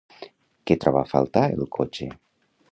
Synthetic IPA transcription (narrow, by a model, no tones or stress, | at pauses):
ket̪ɾɔβafa̰lˠt̪aḛlˠkʰot͡ʃe